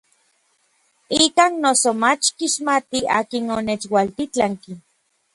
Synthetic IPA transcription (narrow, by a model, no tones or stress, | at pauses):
ikaːnːosomat͡ʃkiʃmat̪iaːkinonet͡ʃwalt̪it͡ɬaŋki